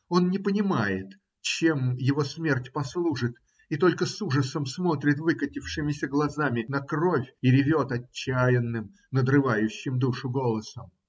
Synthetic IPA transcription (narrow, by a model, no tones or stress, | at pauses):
o̞nnʲɪpənʲɪmajɪt̪ | t͡ɕemjɪvo̞smʲertʲpɐslˠuʐɨt̪ | it̪o̞lʲkəsuʐəsəmsmo̞t̪ɾʲɪt̪vɨkətʲɪfʂɨmʲɪsʲəɡlˠɐzamʲɪnɐkro̞fʲɪɾʲɪvʲo̞t̪ɐːæjɪnːɨm | nəd̪ɾɨvajʉɕːɪmd̪uʂʊɡo̞lˠəsəm